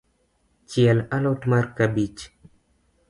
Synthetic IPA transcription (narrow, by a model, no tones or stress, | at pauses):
t͡ʃiɛlalotmarkabit͡ʃ